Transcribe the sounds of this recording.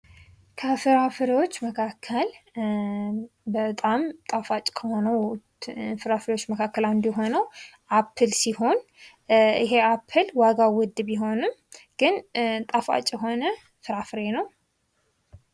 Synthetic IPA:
kʰəfɨɾafɨɾiwo̞t͡ʃːməkʰakʰːəl | bət̪ʼamt̪ʼafat͡ʃʼkʰəho̞nəw | fɨɾafɨɾiwo̞t͡ʃːməkʰakːəland̪jɛɦo̞nəwʔapʰːɨlsiho̞n | ɪɦe̞apʰːɨlwaɡawʊd̪ːɨbjɪɦo̞nɨmɡ̥ɨnt̪ʼafa̰t͡ʃʼjɛɦo̞nə | fɨɾafɨɾenəw

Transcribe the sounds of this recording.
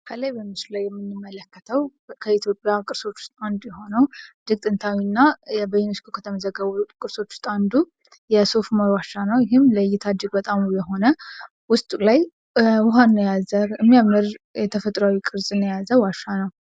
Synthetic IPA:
kʰəlajbəmɨslulajːɛmːɨnːɨmːələkːət̪ʰəwkʰəit̪jo̞pʼjakʼɨɾso̞t͡ʃːʊ̥st̪ʼand̪jɛɦo̞nəwd̪ɨɡ̚t̪ʼɨnt̪ʰawinːabəjunoskʰokʰət̪ʰəməzəɡːəβukʼɨɾso̞t͡ʃːʊ̥st̪ʼand̪u | jɛsofmawaʃanəwjɪɦɨmləjːɪt̪ʰad̪ɨɡbət̪ʼamjɛɦo̞nə | wʊst̪ʼlaj | wʊɦanːəjazəɾɨmːijamɨɾjɛt̪ʰəfət̪ʼɾawikʼɨɾzʼɨnːəjazəwaʃːanəw

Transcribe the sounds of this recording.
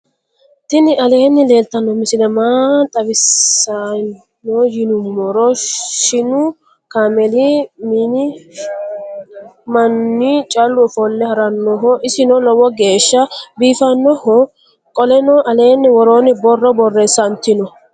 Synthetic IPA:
t̪ɪnɪɐle̞ːnːɪle̞ːlt̪ɐnːɔmɪsɪlɛmat̪ʼɐbɪsːa | ɔjɪnʊmmɔɾɔʃɪnʊ | kaːmɛlimiːnɪ | mɐnːit͡ʃʼɐlːʊɔfɔnːɛhɐɾɐnːɔɦɔʔɪsɪnɔlɔwɔɡe̞ːʃːɐbiːfɐnːɔhɔ | kʼɔlɛnɔʔɐle̞ːnːɪwɔɾoːnɪbɔrːɔbɔrːesɐnt̪ːɪnɔ

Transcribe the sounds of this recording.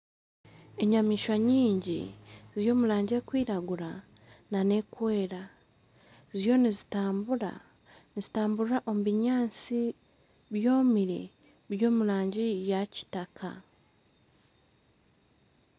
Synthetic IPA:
eɲamiːʃwaɲiːɲɟḭzijo̞ːmulaːɲɟe̞kwiːɾaɡuɾa | nane̞kwe̞ːɾa | zijo̞nizitaːmbuɾa̰ | nizitaːmbuɾaʔo̞muβiɲaːnt͡si | βjo̞ːmiɾḛ | βjo̞ːmulaːɲɟijaci̥takʰa̰

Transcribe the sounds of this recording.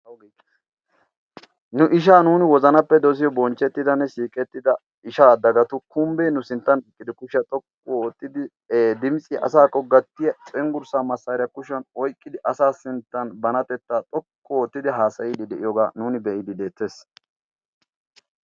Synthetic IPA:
wɡ | nʊʔɪʃ̬aːnuːnɪwɔzɐnɐpːɛd̪os̬ɪjɔbɔnt͡ʃːɛt̪ːɪd̪ɐnːɛsiːkʼɛt̪ːɪd̪ɐ | ɪʃaːd̪ɐɡɐt̪ʊkʊmbeːnʊsɪnt̪ːɐnɪkʼːɪd̪ɪkʊʃɐt̪ʼɔkːɔoːt̪ʼːɪd̪ɪ | eːd̪ɪmsʼɪʔɐ̰saːkʼːɔɡɐt̪ːɪjɐt͡sʼɛŋɡʊɾsaːmɐsːɐːɾɪjɐkʊʃɐnɔjkʼːɪd̪ɪʔɐsaːsɪnt̪ːɐnbɐnɐt̪ɛt̪ːaːt̪ʼɔkːɔoːt̪ːɪd̪ɪɦaːsɐjɪd̪ɪd̪ɛʔɪjɔɡaːnuːnɪbɛʔɪd̪ɪd̪eːt̪ːeːs

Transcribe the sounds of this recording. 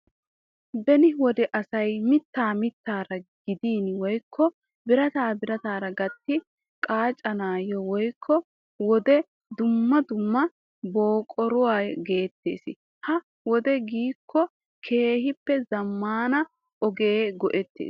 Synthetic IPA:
bɛnɪwɔd̪ɛʔɐsɐjmɪt̪ːaːmɪt̪ːaːɾɐɡ̥ɪd̪iːnwɔjkʰːɔ | bɪɾɐt̪aːbɪɾɐt̪aːɾɐɡɐt̪ːɪ | kʼaːt͡ʃʼɐnaːjɔwɔjkʰːɔ | wɔd̪ɛ | d̪ʊmːɐd̪ʊmːɐ | boːkʼɔɾʊwaːjɡe̞ːt̪ːe̞̰ːsɪ̰ | hɐ | wɔd̪ɛɡiːkʰːɔ | kʰe̞ːhɪpːɛzɐmːaːnɐ | ʔɔɡe̞ːɡɔʔɛt̪ːḛːs

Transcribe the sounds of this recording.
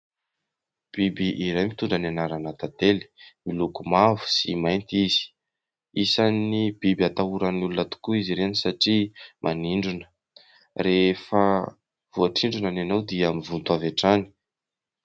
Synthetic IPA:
b̥ibiʔiɾajmit̪uɳɖ͡ʐananaɾanat̪at̪eli̥milukumavu̥simajnt̪izi̥ | isanib̥ibiat̪auɾanulunat̪u̥kuiziɾenisaʈ͡ʂimʔaniɳɖ͡ʐunə̥ | refə | v̥uaʈ͡ʂiɳɖ͡ʐunananawd̪iamivunt̪uavaʈ͡ʂani̥

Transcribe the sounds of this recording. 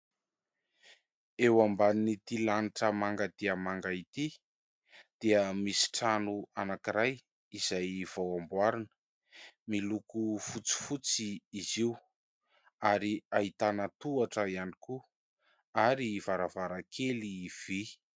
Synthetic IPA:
ewambaninit̪ilaniʈ͡ʂəmaŋɡəd̪̥iəmaŋɡait̪i | d̪̥iəmisi̥ʈ͡ʂanuanakiɾaj | iz̥ajv̥awambwaɾinə̥ | milukufut͡si̥fut͡siːziw | aɾiait̪anat̪uaʈ͡ʂəianiku | aɾiv̥aɾavaɾakʰeliv̥i

